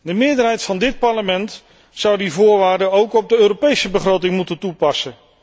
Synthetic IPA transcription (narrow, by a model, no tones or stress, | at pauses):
dəmɪːədərɦɛjtfɑndɪt̚pɑɹləmɛnt | sʌwdivʊːɹʋaːɹdəowkɔb̚dəøːɾopejsəbəχrowtɪŋmutəntupɑsə